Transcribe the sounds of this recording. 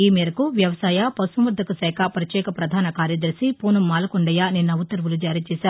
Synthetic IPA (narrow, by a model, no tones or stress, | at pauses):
iːmɛːɾɐkuʋjɐʋɐsaːjapɐsɐmʋɐɾd̪ʱɐkusɛːkʰapɐɾɐt͡ʃɛːkɐpɾɐd̪ʱaːnɐkaːɾjɐd̪ɐɾsipuːnumːaːlɐkuɳɖɐjaninːɐʋut̪ːɐɾʋulud͡ʒaːɾiːt͡ʃɛːsaːɾu